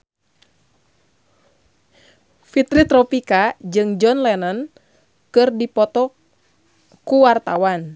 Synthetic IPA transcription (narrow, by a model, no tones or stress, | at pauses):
fit̪ɾit̪ɾɔpikad͡ʒɨŋd͡ʒɔnlɛnɔn | kɨrdipɔt̪ɔ | kuwart̪awan